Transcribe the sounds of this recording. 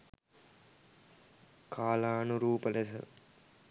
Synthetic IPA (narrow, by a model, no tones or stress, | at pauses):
kʰaːlaːnuɾuːpɐlesɐ̰